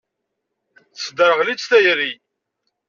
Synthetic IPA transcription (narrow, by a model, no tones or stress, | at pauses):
θsd̪əɾʁlit͡sθæjɾi